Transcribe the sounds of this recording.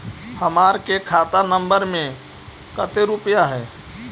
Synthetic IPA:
həmaːɾkekʰaːt̪anə̃mbəɾmẽ | kət̪eɾʊpjaɦɛː

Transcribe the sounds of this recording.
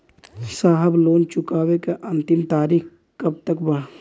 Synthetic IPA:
saːɦəbloːnt͡ʃʊkaːwekeʔɐ̃nt̪ɪmt̪aːɾiːx | kɐb̚t̪əkbɐɽ

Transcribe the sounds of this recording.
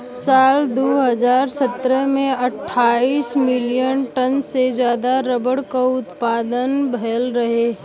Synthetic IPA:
saːld̪oɦəzaːɾsət̪ɾəmẽɐʈʰːaːiːsmɪlijənʈənsed͡ʒjaːd̪aɾəbəɽkaʊt̪paːd̪ənbʱɐəlɾɐɦe

